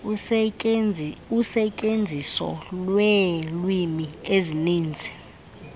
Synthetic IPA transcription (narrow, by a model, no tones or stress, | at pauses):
usɛcʼend͡zʱisɔ̰lwɛlwimieziniːnd͡zʱɛ̥